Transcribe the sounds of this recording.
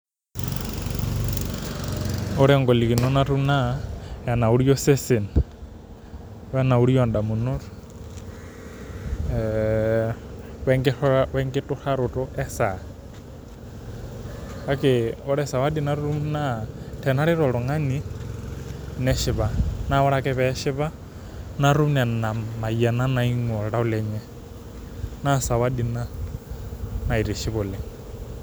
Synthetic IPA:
ʊ˦ɾɛ˨ŋɡɔ˨li˨ki˨nɔ˦na˦ɾu˦na˦ja˨na˨u˦ɾi˦jɔ˦se˦se˨n | wɛ˦na˨u˦ɾi˦jɔ˨nda˨mu˨nʊ˦ɾ | wɛ˦ŋɡɪɔwɛ˦ŋɡɪ˦tʼʊ˦xa˦ɾʊ˨tʼɔ˦ʔɛ˦sa˨ | a˦kʼɛ˨ɔɺɛsa˨wa˦di˦na˦ru˦mna˦tʰɛ˨na˦ɺɪ˦ɾɔ˨ɺɔ˨ŋa˦ni˦ | nɛ˦ʃɪ˨βa˦na˦ɔ˦ɺa˦kʼɛ˦βɛʃɪ˦βa˦ | na˦ɾu˦m˦na˨na˨ma˨ia˨na˦na˨i˦ŋɔ˨ɺa˦u˦lɛɲɛ˦ | na˦sa˨wa˦di˨na˦ | na˨i˨ɾi˨ʃɪ˦βʊ˨lɛ˨

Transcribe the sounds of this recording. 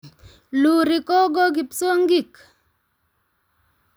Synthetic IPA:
lu˨ɾi˨kɔ˦ɡɔ˦ɡi˨pso˦ŋɡi˦˨k

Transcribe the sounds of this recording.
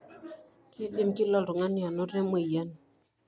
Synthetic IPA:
kɪ˦ɗɪ˦mkɪ˦lɔ˦˨ɾʊ˨ŋa˦nɪ˦a˨nɔ˦ɾe˦me˦˨ja˦n

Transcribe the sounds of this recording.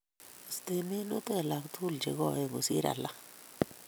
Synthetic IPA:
st̪e˦˨mi˦nu˦t̪e˦˨la˨kt̪ʰu˦ld͡ʒḛ˨ɡɔ˨je˦˨ɡu˨sḭ˦ɾa̰˨la̰˦

